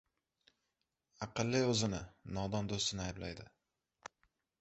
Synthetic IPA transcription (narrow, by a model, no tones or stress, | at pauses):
ɑqɨlˠːɪɵzɪnɪnɒd̪ɒnd̪ost̪ɪnɪajɪblajd̪ɪ